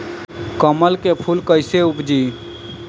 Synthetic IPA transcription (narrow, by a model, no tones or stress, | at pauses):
kəməlkepʰulkəɪseupd͡ʒi